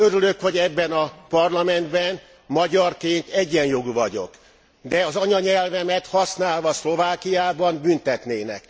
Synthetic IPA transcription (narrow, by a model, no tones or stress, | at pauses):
øɾylø̞kho̞ɟɛbːɛnɒpɒrlɒmɛnd̪bɛn | mɒɟɒrkeːnt̪ɛɟːɛnjo̞ɡuvɒɟo̞̰k | d̪ɛɒzɒɲɒɲɛlvɛmɛt̪hɒsnaːlvɒslo̞vaːkijaːbɒmbynt̪ɛt̪neːnɛ̰k